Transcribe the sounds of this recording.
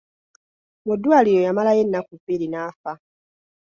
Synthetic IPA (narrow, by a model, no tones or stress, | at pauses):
mudːwaːlijojamalaje̞nːakuviɾinaːfa